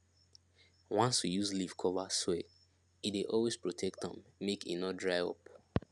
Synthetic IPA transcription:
wãnswijuzliv̥kʰɔvaswe | ideʔɔlwespɹotʰɛk̚tɔ̰̃mmekḭnɔtdɹaɪɔ̰p̚

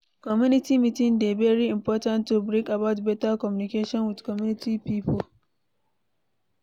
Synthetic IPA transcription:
kɔmjunɪtiːmitindevɛɾiɪmpɔːtantːubɾikɐbawtbɛtakɔmjunɪkeːʃɔnwɪdkɔmjunɪtʰipiːpɔl

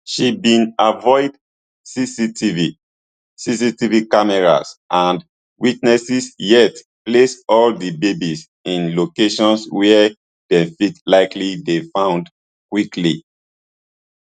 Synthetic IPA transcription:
ʃibĩnavɔɪd | sisitivi | sisitivikamɛɹa̰sʔãn | witnɛsisjɛt | plesɔldibebis | ĩnlokeʃɔ̃nswɛ | d̥ɛ̃fitlaɪklidefãʊ̃nd | kwikli

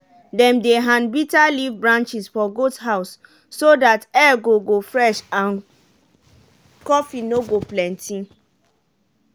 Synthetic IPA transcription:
dɛ̃mdeɦãnbitalivbɹãnt͡ʃisfɔɡothaʊsː | odatɛɡoɡofɹɛʃãn | kɔfinoɡoplɛ̃ntʰĩn

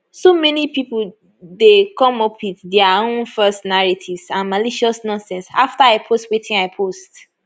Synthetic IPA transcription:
somɛnipipl | dekɔ̃mɔpʰitdɛaõnfɜstnaɹatʰivzãnmaliʃiɔsnɔ̃nsɛ̃nsa̰ftaaɪpʰostwetʰĩŋaɪpʰost

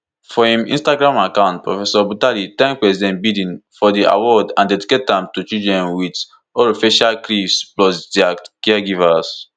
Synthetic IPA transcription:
fɔhĩmḭ̃nstaɡɹãmakãʊ̃nt̚pɹɔ̰fɛsɔbutalitɛ̃ŋk̚pɹɛsidɛ̃ntbidĩnfɔdiʔa̰wɔdãndɛdiketãmtut͡ʃudɹɛ̃nwit | ɔɾofeʃalkɹisblɔsdiakɛaɡivas

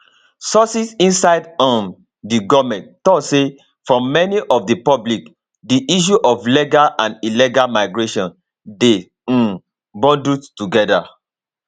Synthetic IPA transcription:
sɔsisĩnsaɪdɔ̃n | diɡɔvmɛ̃nttɔtse | fɹɔ̃mɛniʔɔfdipɔblik | diʔiʃ̬uʔɔfliɡalãniliɡalmaɪɡɹeʃɔ̃n | de | bɔ̃nduttuɡɛda

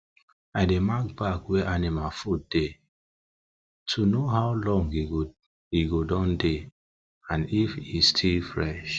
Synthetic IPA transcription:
aɪdemak̚bakweʔanimafut̚d̥e | tʰunoɦaʊlɔ̃ŋɡi | iɡodɔ̃nde | ãnifistʰilfɹɛʃ

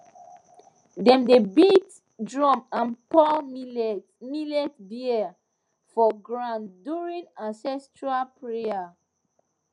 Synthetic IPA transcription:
dɛ̃mdebit | dɹɔ̃mãnpɔlm | milɛtbi | fɔɡɹãnduɹĩnãnsɛstɹalpɹea

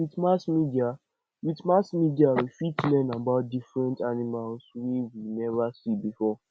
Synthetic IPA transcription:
witmasmidia | witmasmidiawifitlɛnabaʊt̚difɹɛ̃ntanimalswiwinɛvasibifɔ

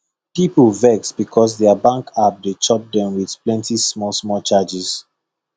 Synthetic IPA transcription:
pipəlvɛksbikʰɔs̬dɛəbãŋkʰap̚det͡ʃɔp̚dɛ̃mwið̥plɛ̃ntismɔlsmɔlt͡ʃad͡ʒis

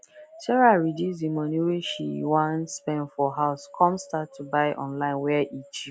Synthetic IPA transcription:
sɛɹaɹidizimɔniweʃḭwãnspɛ̃nfɔɦaʊskʰɔ̃mstatʰːubaɪʔɔ̰̃nlãɪ̃nwɛʔit͡ʃi

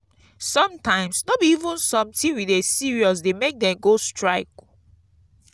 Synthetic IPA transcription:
sɔ̃mtʰãɪ̃msnɔbiivũnsɔ̃mtĩwidesiɹiɔs̬demek̚dɛ̃mɡostʰɹaɪk

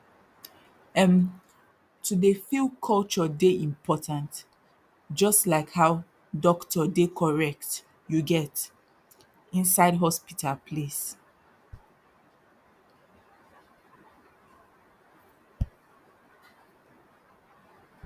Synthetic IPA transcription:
ɛ̃m | tʰudefilkʰɔlt͡ʃɔdeʔĩmpʰɔtãnt | d͡ʒɔstlaɪkhaʊ | dɔktɔdekʰɔɹɛk̚t | juɡɛt | ĩnsaɪdɦɔspitʰalpʰles

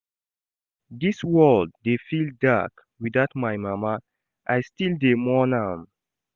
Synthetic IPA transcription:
diswɔldːefilda̰k | wiðaʊtmajmama | ʔajstildemɔnam

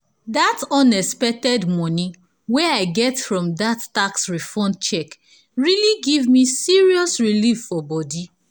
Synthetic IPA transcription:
datɔ̃nɛspɛk̚tɛdmɔ̃nĩ | wɛaɪɡɛtfɹɔ̃mdatːaksɹifɔ̃nt͡ʃɛk | ɹiliɡivmisiɹiɔsɹiliffɔbɔdi

